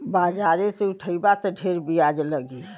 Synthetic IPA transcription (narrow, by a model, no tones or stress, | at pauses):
bad͡ʒaɾeseuʈʰəjbat̪ɔɖʱeɾbiad͡ʒləɡi